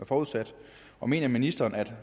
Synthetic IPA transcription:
æɐfɒːuð̞ˠsæd̥ | ɒ̽me̝̰ːnɐminisd̥ɐːnæd̥

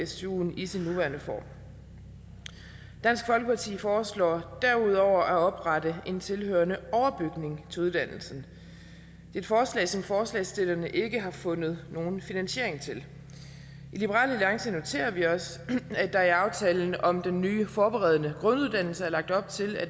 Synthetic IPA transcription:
esṵnisinːuʋæɐnəfɒ̰ːm | d̥æn̰sɡ̥fɒ̽lɡ̥əpʰɑ̈t͡sʰḭːfɒːslɒ̰ːd̥æɐuð̞̰ˠɒʊ̰ɐʔæɒ̽b̥ʁɑ̈ɾəʔe̝nt͡sʰe̝lɦøːɐnəɒʊɐb̥yɡ̥ne̝ŋt͡sʰe̝luðˠd̥ænl̩sn̩ | d̥e̝e̝d̥fɒːslɛ̰ːsɒ̽mfɒːslɛ̰ːsd̥e̝lɐnəʔe̝ɡ̥əɦɑ̈fɔ̽nð̞̩ˠno̝ːn̩finænɕe̝ɐ̰e̝ŋt͡sʰe̝l | ilib̥əʁɑ̰̈ːlæliɑ̈ŋsəno̝t͡sʰe̝̰ːɐʋiɒ̽sæd̥ɑ̈æɐɑ̈ʊt͡sʰɛːln̩ɒ̽md̥enːyːfɒːb̥eʁɛð̞ˠnəɡ̥ʁɔ̽nuðˠd̥æn̰l̩səæɐlɑ̈ɡ̥̚d̥ɒ̽b̥̚t͡sʰe̝læ

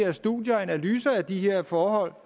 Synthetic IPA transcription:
ɐsd̥ṵðˠjɐænælyːsɐæd̥ihe̝ɐ̰fɒːɦɒ̽l̰

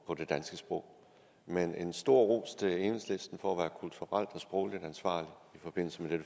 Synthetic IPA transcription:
pʰɒ̽d̥e̝d̥ænsɡ̥əsb̥ʁɔ̽ʊ̰ | mene̝nsd̥o̝ɐ̰ʁo̰ːst͡sʰe̝eːnesle̝sd̥n̩fɒæʋæːɐkʰult͡sʰuʁal̰d̥ɒ̽sb̥ʁɔʊlid̥ænsʋɑ̰̈ːli | ifɒ̽b̥e̝n̰l̩səmed̥eɾ̥ə

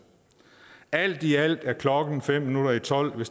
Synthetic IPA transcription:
æl̰d̥iæl̰d̥æɐkʰlɒ̽ɡ̥n̩fem̰ːinuɾ̥ɐit͡sʰɒ̽l̰ʋe̝s

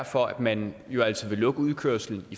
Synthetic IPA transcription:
ɐ̰fɒ̽æd̥mænjo̝æl̰t͡sʰið̩ˠʋe̝lɔ̽ɡ̥əuð̞ˠkʰøɐ̰sl̩n̩i

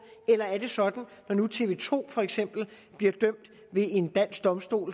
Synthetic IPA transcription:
elɐæɐd̥e̝sɒ̽d̥n̩nɒnut͡sʰe̝ʋe̝̰ːt͡sʰo̝̰ːfɒ̽eɡ̥sem̰b̥l̩b̥liɐd̥œm̰d̥ | ʋe̝e̝nd̥æn̰sɡ̥̚d̥ɒ̽msd̥o̝̰ːl

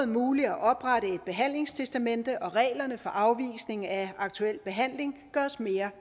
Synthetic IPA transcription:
ð̩ˠmuːliæʔɒ̽b̥ʁaɾəe̝d̥̚b̥e̝ɦæn̰le̝ŋst͡sʰesd̥æmen̰d̥əʔɒ̽ʁɛ̰ːlɐnəfɒ̽ʔɑ̈ʊʋḭːsne̝ŋæɑ̈ɡ̥t͡sʰuel̰b̥e̝ɦæn̰le̝ŋɡ̥ɶːɐsme̝ːɐ

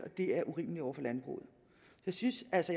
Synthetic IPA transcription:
ɒ̽d̥e̝æɐʔuʁḭːməliɒʊ̰ɐfɒlænb̥ʁṵːð̩ˠ | sɒjɑ̈ɪsynsælsəj

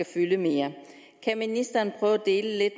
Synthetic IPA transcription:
æfyləme̝ːɐ | kʰæminisd̥ɐnpʰʁœːʊd̥e̝ːləle̝d̥

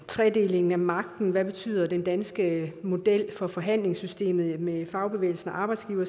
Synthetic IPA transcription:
t͡sʰʁɛde̝le̝ŋn̩æmɑ̈ɡ̥̚d̥n̩ʋæb̥e̝t͡sʰy̰ːð̰ˠɐd̥end̥ænsɡ̥əmo̝d̥el̰fɒ̽fɒ̽ɦæn̰le̝ŋsysd̥e̝̰ːmð̩ˠmefɑ̈ʊb̥e̝ʋḛɪl̩sn̩ɒʔɑ̈ːb̥ɑ̈ɪdsɡ̥iːʊɐ

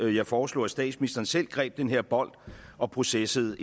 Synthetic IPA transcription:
jɑ̈ɪfɒːslɔ̰ːæsd̥ɛ̰ːd̥sminisd̥ɐːn̩sel̰ɡ̥ʁɛ̰ːb̥̚d̥enɦe̝ɐ̰b̥ɒ̽l̰d̥ɒ̽pʰʁo̝sesəð̞̩ˠ

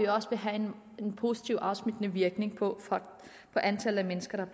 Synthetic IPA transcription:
ioɒ̽səʋeɦæe̝n | enpʰo̝si̥t͡sʰiʊʔɑ̈ʊsmid̥ənəʋiɐɡ̥ne̝ŋpʰɒ | pʰɒ̽ʔænt͡sʰælð̩ˠæmenəsɡ̥ɐɾ̥ɑ̈b̥

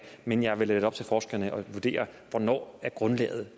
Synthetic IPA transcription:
menjɑ̈ɪʋe̝ledəɒb̥̚t͡sʰe̝lfɒːsɡ̥ɐnəʔɒ̽ʋuɐd̥e̝̰ːɐʋɒnɒ̰ːæɐɡ̥ʁɔ̽nlɛ̰ːð̩ˠ

